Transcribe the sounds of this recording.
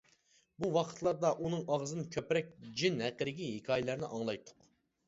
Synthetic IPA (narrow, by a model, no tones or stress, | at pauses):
buwɑqʰə̥t̪ʰlˠɑɾd̪ɑʔunɨŋɑʁzɨnɨkʲʰøpɾɛk̚ʲd͡ʒinhæqːəɾɪɡʲiɦikʲʰɑːjɪlˠæɾnɪ̰ʔɑŋlˠɑjt̪ʰːʊ̥q